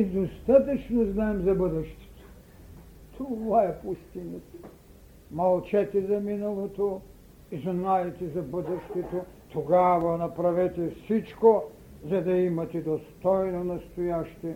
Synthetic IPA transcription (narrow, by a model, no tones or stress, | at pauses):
id̪ost̪at̪ɐt͡ʃnoznaɛmzɐbəd̪ɛʃt̪ɛ̥t̪o̥ | t̪ʰovaɛpust̪inɛt̪ | mɐlˠt͡ʃɛt̪ɛzɐminalˠot̪o | izanajɛt̪ɛzɐbəd̪ɛʃt̪ɛt̪ot̪ʰoɡavɐnɐpɾavɛt̪ɛfsit͡ʃko | zɐd̪ɐimɐt̪ɛd̪ost̪ɔjnonɐst̪ojaʃt̪ɛ